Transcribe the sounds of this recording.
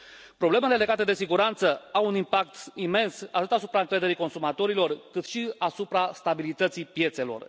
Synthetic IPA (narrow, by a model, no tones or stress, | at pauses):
pɾo̞ble̞me̞le̞le̞ɡat̪e̞d̪e̞siɡuɾant̪səawunimpak̚t̪ime̞nsa̰t̪ɨt̪asupɾaɨŋkɾe̞d̪e̞ɾiko̞nsumat̪o̞ɾilo̞rkɨt̪ʃiasupɾast̪abilit̪ət̪sipje̞t̪se̞lo̞̰r